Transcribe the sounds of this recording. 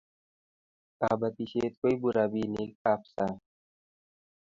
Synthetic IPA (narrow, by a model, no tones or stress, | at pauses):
aːbɐt̪iɕeːt̪koibuɾaːbiːnikaːpsa